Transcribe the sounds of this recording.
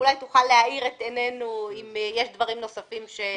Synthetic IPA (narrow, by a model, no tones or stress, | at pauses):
ulajt̪uχalːehaiʁet̪enenuimjeʃd̪vaʁimno̞safimʃe